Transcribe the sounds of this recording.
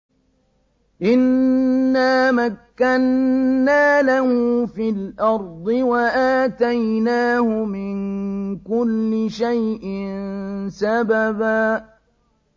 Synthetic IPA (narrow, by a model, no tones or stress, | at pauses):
ʔɪnː | aːmakːanːaːlahuːfilʔɑɾˤd̪ˤɨwaʔaːt̪ajnaːhʊmɪnkʊlːɪʃajʔɪnsababaː